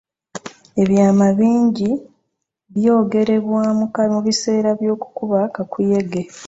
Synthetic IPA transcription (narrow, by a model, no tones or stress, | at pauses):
e̞βjaːmaβiːɲɟi | βjo̞ːɡe̞ɾe̞βwaːmukamuβise̞ːɾaβjo̞ːku̥kuβakakuje̞ɡe